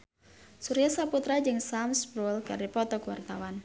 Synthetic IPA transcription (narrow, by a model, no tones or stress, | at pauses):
suɾijasaput̪ɾad͡ʒɨŋsamsbɾulkɨrdipɔt̪ɔkuwa̰rt̪awan